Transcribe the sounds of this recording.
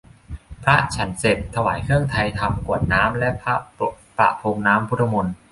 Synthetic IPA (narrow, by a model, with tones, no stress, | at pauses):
pʰɾa˦˥t͡ɕʰa˦˥nse˨˩t̪̚t̪ʰːa˧wa̰ː˩˦jkʰɯ˥˩əŋt̪ʰa˧jt̪ʰa˧mku˨˩ət̪̚naː˦˥mlɛ˦˥pʰa˦˥ | pɾa̰˨˩ʔpʰoː˧ŋnaː˦˥mpʰu˦˥t̪̚ʰːa˧mo˧n